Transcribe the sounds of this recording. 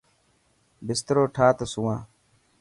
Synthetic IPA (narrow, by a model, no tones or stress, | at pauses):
bɪst̪əɾoːʈʰaːt̪əsuwãː